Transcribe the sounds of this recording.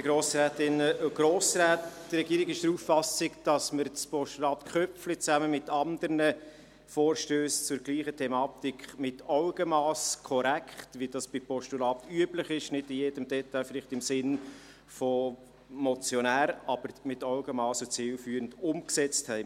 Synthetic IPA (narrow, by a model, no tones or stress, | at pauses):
ɪɡɾoːsɾæːtɪnəɡ̥ɾoːsɾæːtd̥rːɛɡ̥iːɾɪɡɪʃd̥ɾuffɑsɪɡd̥ɑsməɾt͡spʰɔʃtulɑːt̪kχœpflit͡sæməmɪt̪ɑnd̪əɾnə | foːɾʃtøːst͡sʊɾɡliːχətʰɛmɑːt̪ikχmɪtɑʊɡ̥əmɑːskʰɔɾækʰχtʋidɑsb̥ɪpʰɔʃtulɑːt̪yəbləχɪʃnɪdɪjeːd̥əmdɛt̪ːajfɪlɪχtɪmsɪn | fɔ | mɔt͡sjɔnæːɾɑb̥əɾmɪtɑʊɡəmɑːsət͡sɪlfyːɾəndʊmksɛt͡sthɛɪ